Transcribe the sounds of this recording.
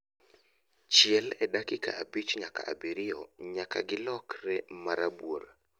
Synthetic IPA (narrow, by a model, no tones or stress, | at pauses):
t͡ʃɪɛlɛdakɪka̰ːbit͡ʃɲaka̰ʔa̰biɾɪɔɲakaɡɪlɔkrɛmaɾabwoɾa